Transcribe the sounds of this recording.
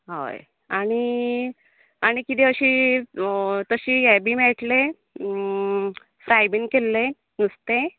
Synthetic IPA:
ɦo̰j | aɽ̃i | aɽ̃ikit̪ẽəɕi | t̪əɕiːjɛbiːmɛʈle | fɾajbiŋɡkelːe | ɡust̪e

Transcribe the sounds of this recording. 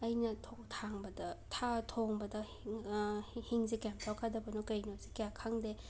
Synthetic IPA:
ɐjnɐtʰoktʰaŋbɐdɐtʰatʰoŋbɐdɐ | hiŋzikamtʰakʰadɐbɐnokɐjnozikejakʰaŋde

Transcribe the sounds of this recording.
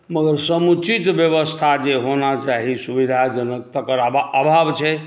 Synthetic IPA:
məɡəɾsəmut͡ʃit̪bjəʋəst̪ʰad͡ʒeɦonat͡ʃaɦisubid̪ʱad͡ʒənəkt̪əkəɾababʱabt͡ʃʰɛ

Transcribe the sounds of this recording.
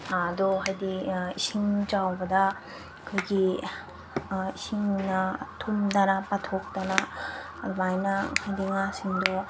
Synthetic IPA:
ad̪ohajdiiɕiŋd͡ʒawbada | kʰɯjɡi | iɕiŋnatʰumdanapatʰok̚danaː | domajnahajd̪iŋasiŋdo

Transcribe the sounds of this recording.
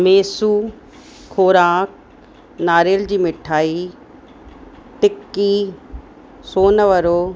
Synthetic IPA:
meːsuː | kʰoːɾãːk̚ | naːɾeːld͡ʑiːmɪʈʰaːi | t̪ɪkːiː | soːnəʋəɾoː

